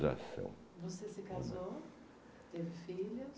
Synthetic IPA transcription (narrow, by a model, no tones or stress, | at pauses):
za̰sɐ̰̃w̃ | vosesɪkazo | t̪evɪfilʊs